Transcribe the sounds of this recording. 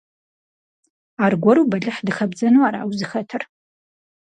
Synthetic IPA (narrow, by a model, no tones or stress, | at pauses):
aːrɡʷɔɾuːbɐɮɨħdɨxɐbd͡zɐnuaːɾa̰ːwzɨxɐtʰɨr